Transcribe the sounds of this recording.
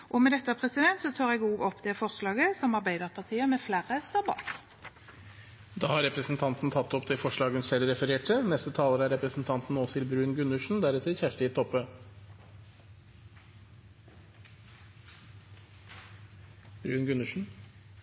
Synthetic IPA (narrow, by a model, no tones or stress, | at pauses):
ʔɔmɛd̪ɛt̪ːəpʰʁɛsɪd̪ɛnt̪sɔt̪ʰɑːʁɛɡuːɡɔpːd̪ɛfɔʁslɑːɡəsɔmɑʁbæɪd̪əʁpʰɑt̪ʰiːəmɛflæːʁəst̪ɑbɑ̰ːk | d̪ɑːhɑɾɛpɾəsn̩t̪ʰɑnt̪n̩t̪ʰɑt̪ːɔpt̪ʰɪlfɔʂɭɑːɡənsɛlɾɛfəɾeːʈʰənɛst̪ət̪ʰɑːləɾəæɾɛpɾəsn̩t̪ʰɑnt̪n̩ɔːsɪlbɾʉːnɡʉnʉʂn̩d̪æɾʉt̪əçæʂʈəɪt̪ʰɔpːə | b̥ɾʉːnɡʉnʉʂn̩